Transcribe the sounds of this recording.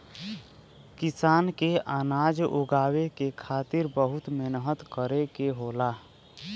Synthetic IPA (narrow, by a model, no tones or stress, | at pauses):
kɪsaːnkeʔaːnaːd͡ʒʊ̰ɡaːwekekʰaːt̪ɪɾbəɦʊt̪menəɦət̪kəɾekeɦolaː